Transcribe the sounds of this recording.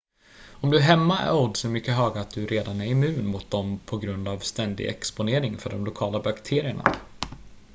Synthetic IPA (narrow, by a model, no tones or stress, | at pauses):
ɔmd̪ɵæɾɦɛmːaæ̰ɾɔd̪sɔmʏkːəɦœːɡaat̪̚d̪ɵɾʔeːd̪anæɾɪmʉ̟ːnmʊt̪̚d̪ɔmpʰɔɡɾɵnd̪avst̪ɛnd̪ɪ̰ɡɛ̰kspʊneːɾɪŋfœɖɔmlʊkʰɑːlabakt̪ʰeːɾɪəɳa̰